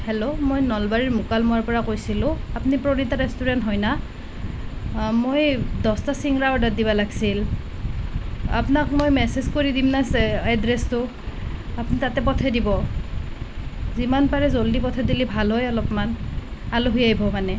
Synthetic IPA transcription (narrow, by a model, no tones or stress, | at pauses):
hɛlomojnɔlbaɹiɹmʊkalmɔaɹpɔɹakojsilʊ̃apnipɹoɹitaɹɛstuɹɛntɦɔjna | mojdɔstasiŋɹaɔdat̚dibalaɡi̥sil | a̰pnakmojmɛsezkoɹidimnasɛadɹɛstʊ | apnitatɛp̬ɔtʰɛdibɔ | zimanpaɹɛzoldipɔtʰɛdilibʱalɦɔjɔlɔpmanaloɦujaibɔmanɛ